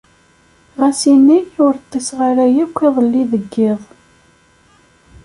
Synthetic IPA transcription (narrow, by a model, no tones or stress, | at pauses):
ʁasinːiʊɾt̪ˤːesʁaɾæjækʷːiðˤəlːiðəɡːɪðˤ